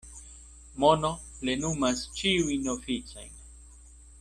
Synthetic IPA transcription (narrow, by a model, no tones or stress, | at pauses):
monoplenumast͡ʃiujnofit͡sa̰jn